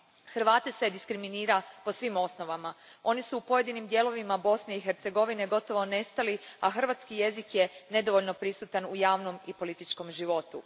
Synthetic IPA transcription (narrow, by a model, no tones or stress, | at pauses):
xr̩ʋaːt̪ese̞d̪iskɾiminiːɾapo̞sʋimo̞sno̞ʋamao̞nisuːpo̞je̞d̪inimd̪je̞lo̞ʋimabo̞sne̞ixeɾt̪se̞ɡo̞ʋine̞ɡo̞t̪o̞ʋo̞ne̞st̪aliaxr̩ʋaːt̪skije̞zikje̞ne̞d̪o̞ʋo̞ʎno̞pɾisut̪anujaːʋno̞mipo̞lit̪it͡ʃko̞mʒiʋo̞t̪ṵ